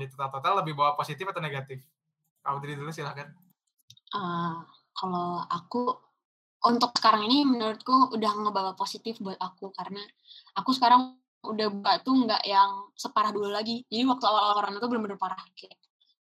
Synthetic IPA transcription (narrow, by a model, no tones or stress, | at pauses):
dit̪ut̪at̪at̪aləbɪhbawaposit̪ɪfat̪aneɡat̪ɪf | ka̰ludadidulusilahkan | ʔə | kaloa̰ku | ʔunt̪ʊk̚sə̥kaɾaŋinimənuɾʊt̪̚kuudahŋəbawaposit̪ɪfbuat̪akukaɾəna | akusə̥kaɾaŋ | udahbuat̪uŋɡa̰ʔjaŋsəpaɾahdululaɡid͡ʒadiwak̚t̪uawalooɾaŋnut̪ubəlʊmbənʊrpaɾahkaa